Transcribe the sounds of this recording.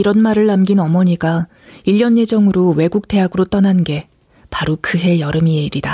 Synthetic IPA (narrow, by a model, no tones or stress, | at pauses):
iɾʌnmaɾɯɭːamɡinʌmʌɲiɡa | iʎːjʌnje̞d͡ʑʌŋɯɾowe̞ɡuk̚t͈e̞ɦaɡɯɾot͈ʌnanɡe̞ | paɾokɯɦe̞jʌɾɯmieiɾida